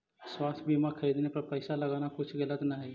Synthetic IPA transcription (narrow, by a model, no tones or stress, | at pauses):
swaːst̪ʰbiːmakʰəɾiːd̪nepɐɾpəɪsalɐɡaːnakʊt͡ʃʰɡɐlət̪naɦɛ